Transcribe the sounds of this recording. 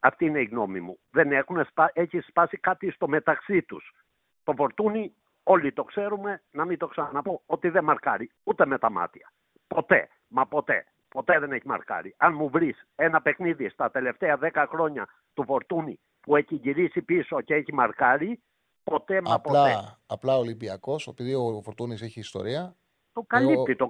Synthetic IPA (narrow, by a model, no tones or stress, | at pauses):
ɐft̪iineiɣno̞mimu | ðe̞nexuneseçispɐsikɐt̪ist̪o̞me̞t̪ɐksit̪ṵs | t̪o̞fo̞ɾt̪uni | o̞lit̪o̞kse̞ɾume̞nɐmit̪o̞ksɐnɐnɐpo̞ot̪iðemɐɾkɐɾiut̪e̞met̪ɐmɐ̰t̪iɐ | po̞t̪e̞̰ | mɐpo̞t̪e̞̰ | po̞t̪e̞ðe̞ne̞çimɐ̰ɾkɐ̰ɾiɐnmuvɾise̞nɐpe̞kniðist̪ɐt̪e̞le̞ft̪eɐðe̞kɐxɾo̞ɲɐ | t̪ufo̞ɾt̪uni | pue̞çiʝiɾisipiso̞ceeçimɐɾkɐɾi | po̞t̪e̞mɐpolɐeɐplɐolibiɐko̞sepiðiofoɾt̪uniseçiːst̪o̞̰ɾiɐ | t̪okɐlit̪it̪o